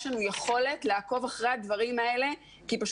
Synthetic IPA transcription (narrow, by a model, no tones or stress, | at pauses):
ʃlanujeχo̞le̞tleako̞vaχʁead̪vaʁimae̞le̞ | kipaʃ